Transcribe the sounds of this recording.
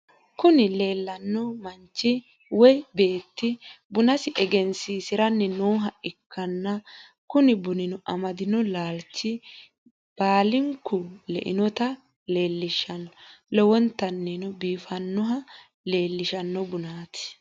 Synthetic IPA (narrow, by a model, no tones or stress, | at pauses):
kʊnɪle̞ːlːɐnːɔmɐnt͡ʃːɪ | wɔjbe̞ːt̪ːɪ | bʊnɐsɪʔɛɡɛnsiːsɪɾɐnːɛnoːɦɐʔɪkʰːɐnːɐ | kʊnɪbʊnɪnɔʔɐmɐd̪ɪnɔlaːlt͡ʃːɪ | b̥aːlɪŋkːʊlɛ̰ʔɪ̰nɔt̪ɐ | le̞ːlːɪʃɐnlɔwɔnt̪ːɐnːɛnɔbiːfɐnːɔɦɐ | le̞ːlːɪʃɐnːɔbʊnaːt̪ɪ̥